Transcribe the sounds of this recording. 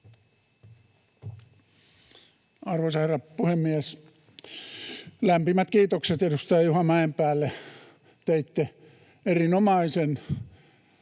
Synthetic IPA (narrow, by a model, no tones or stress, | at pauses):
ɑrʋoˑisɑherːɑpuhemːiæs | læmpimæt̪kiːt̪okset̪edust̪ɑjɑjuhɑmɑjempæːlːe | t̪eit̪ːe | erinomɑisen